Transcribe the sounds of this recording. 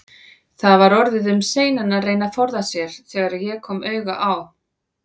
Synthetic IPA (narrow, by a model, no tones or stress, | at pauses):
θaðvaɾɔɾðɪðʏmseːjnanareːjnafɔɾðasjɛɾ̥θɛːɣaɾajɛkʰɔːmœːɥɣa̰ʔaw